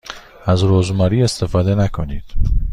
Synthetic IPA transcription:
æzɾoːzmɒːɾiːe̞st̪ʰe̞fɒːd̪e̞nækʰoniːd̪̥

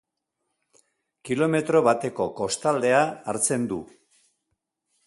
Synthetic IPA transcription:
kilo̞me̞t̪ɾo̞βat̪e̞ko̞ko̞st̪ald̪e̞aːɾt͡se̞nd̪ṵ

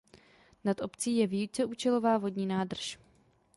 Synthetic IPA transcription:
nat̪ʔo̞pt͡siːjɛvijut͡sɛʔuːt͡ʃɛlo̞vaːvo̞dɲiːnaːdr̩ʃ

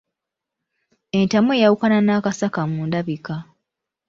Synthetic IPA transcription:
e̞ntamuejawukananaːkasakamuːndaβika

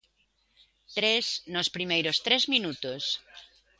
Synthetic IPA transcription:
t̪ɾesnospɾimejɾost̪ɾezmĩnut̪os

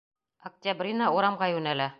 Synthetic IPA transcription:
ɐk̚t̪ʲabrʲinɑuɾɑmʁɑjʉnælæ

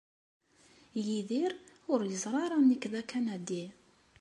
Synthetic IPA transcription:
jiðiɾʊɾjəzˤɾˤɑɾˤɑnikðækænæd̪i

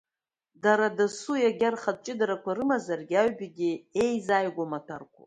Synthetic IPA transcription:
daɾadasujaɡʲarχad̚t͡ʃʼɪdaɾakʷaɾɨmazarɡʲaɥbiɡʲiejzajɡʷamatʰarkʷʰʼṵ

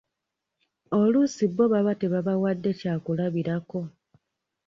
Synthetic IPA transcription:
olusibːo̞βaβateβaβawadːe̞caːkulaβiɾako̞

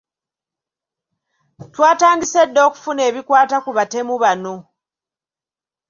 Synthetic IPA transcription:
twaːtaːŋɡise̞dːo̞ːku̥fune̞ːβikwaːtakuβate̞muβano̞

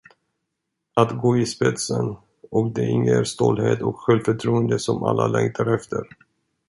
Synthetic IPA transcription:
at̪ɡoːɪspɛt̪sən | ɔkd̪ɛɪŋːəæɾst̪ɔlheːt̪ɔkɧɛlfœʈʰɾuːənd̪əsɔma̰lːalɛŋt̪ʰaɾɛft̪ʰəɾ

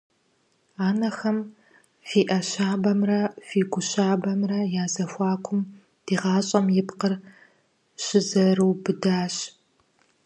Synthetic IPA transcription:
aːnɐxɐm | fiːʔɐɕaːbɐmrɐfiːɡʷʊɕaːbɐmrɐjaːzɐfʷɑːkʷʰʊm | d̥iːʁɑːɕʼɐmjɪpqər | ɕɪzɐrɨwbɨdaːɕ

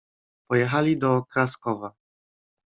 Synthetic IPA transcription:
pɔjɛxalʲid̪ɔkɾaskɔva

